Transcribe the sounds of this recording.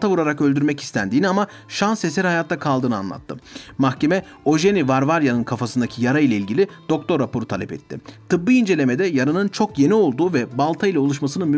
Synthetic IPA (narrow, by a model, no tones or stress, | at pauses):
t̪avuɾaɾakø̞lʲd̪yɾmɛci̥st̪ʰænd̪iːniama | ʃanse̞sɛɾhajat̪ʰːakʰalˠd̪ɯːnɯa̰nlˠa̰t̪ʰːɯmaxcʰe̞mɛ | o̞ʒenivaɾvaɾjanɯnkʰafasɯnd̪acʰijaɾailʲˠailʲɟilʲid̪̥o̞kt̪ʰo̞ɾːapʰo̞ɾut̪ʰalʲɛpɛ̰t̪ʰːɪ̰t̪ʰɯbːɯind͡ʒe̞lʲe̞me̞d̪ɛjaɾɯnɯnt͡ʃʰo̞kje̞nio̞lˠd̪uːvɛbalˠt̪ʰailʲˠɛo̞lˠuʃmasɯnɯnmy